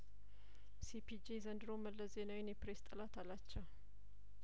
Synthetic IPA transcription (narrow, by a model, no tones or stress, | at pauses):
sipʰid͡ʒezənd̪ɨɾoməlːəzenawɪnjɛpɾest̪ʼəlat̪ʰalat͡ʃːɛw